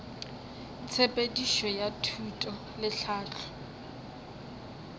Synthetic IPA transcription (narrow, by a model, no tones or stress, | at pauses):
t͡sʰepʼediʃɔjatʰutʼɔ | lɪɬaːt͡ɬʰʊ̥